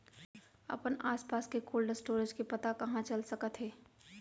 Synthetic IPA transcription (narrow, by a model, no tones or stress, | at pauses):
ə̰pənaːspaːskekoːlɖəsʈoːɾed͡ʒkipɐt̪akɐɦãt͡ʃəlsəkət̪ɦeː